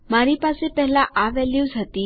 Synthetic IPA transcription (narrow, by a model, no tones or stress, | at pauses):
maɾipasepɛɦlaʔaʋɛljuːzət̪iː